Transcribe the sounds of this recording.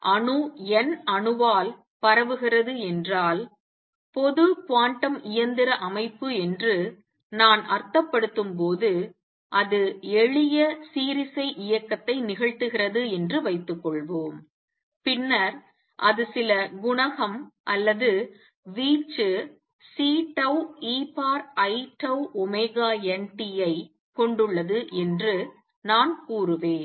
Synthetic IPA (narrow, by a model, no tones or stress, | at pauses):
ʔɐɳɯɛnɐɳɯʋaːl | pɐɾɐʋɯɣɪrɐðɯɛndraːl | pɔðɯkʋaːɳʈɐmɪjɐnd̪ɪɾɐʔɐmɐɪpːɯɛndrɯ | naːnɐɾt̪ɐpːɐɽɯt̪ːɯmpoːðɯ | ʔɐðɯɛɻɪjɐsiːɾɪsɐɪʔɪjɐkːɐt̪ːɐɪnɪɣɐɻt̪ɯɣɪrɐðɯɛndrɯʋɐɪt̪ːɯkːɔɭʋoːm | pɪnːɐɾ | ʔɐðɯsɪlɐɡʊɳɐɣɐmʔɐlːɐðɯ | ʋiːt͡ʃːɯ | siːʈɐʊiːpaːɾɐɪʈɐʊʔɔmɛɣaːɛnʈɪjɐɪ | kɔɳɖɯɭːɐðɯʔɛndrɯ | naːnkuːrɯʋeː